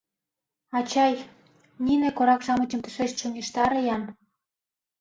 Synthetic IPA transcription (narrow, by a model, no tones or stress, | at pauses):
ɑt͡ɕɑj | ninĕkoɾɑkʃɑmə̆t͡ɕə̆mt̪ə̆ʃeʃt͡ɕonʲeʃt̪ɑɾɤ̆jɑn